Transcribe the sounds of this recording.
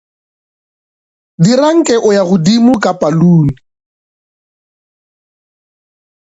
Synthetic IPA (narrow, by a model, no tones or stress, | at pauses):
diraŋ̩kʼɛʔʊjaɣʊdimʊkʼapʼaluːnii